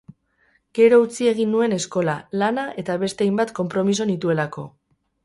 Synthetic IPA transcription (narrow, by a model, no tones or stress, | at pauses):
ɡ̥e̞ɾo̞ut͡sie̞ɣ̞inːue̞ne̞sko̞lalanaʔe̞t̪aβ̞e̞st̪e̞ajmbat̪ko̞mpɾo̞mis̬o̞nit̪ue̞lako̞̰